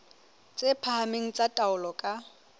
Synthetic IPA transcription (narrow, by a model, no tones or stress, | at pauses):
t͡sʼepʰahameŋ̩t͡sʼatʼaʊlɔkʼa